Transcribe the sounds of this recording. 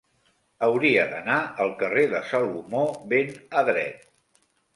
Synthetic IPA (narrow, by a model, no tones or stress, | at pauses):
əwɾiəðənaəlˠkəreðəsalumoβenəðɾɛ̰t̪̚